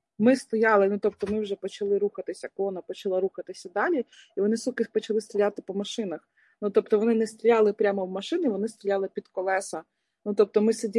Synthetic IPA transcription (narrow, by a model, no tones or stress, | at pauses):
mɪst̪ɔjɑlˠɪnut̪ɔp̚t̪ɔmɪwʒɛpɔt͡ʃɐlˠɪɾuxɐt̪ɪsʲɐkɔnɐpɔt͡ʃɐlˠɑɾuxɐt̪ɪsʲɐd̪ɑlʲi | iʋɔnɪsukɪpɔt͡ʃɐlˠɪst̪ɾʲɪjat̪ɪpɔmɐʃɪnɐx | nut̪ɔpt̪ɔʋɔnɪnɛst̪ɾʲijɑlˠɪpɾʲamɔwmɐʃɪnɪʋɔnɪst̪ɾʲɪjɑlˠɪpʲid̪kɔlˠɛsɐ | nut̪ɔp̚t̪ɔmɪsedʲi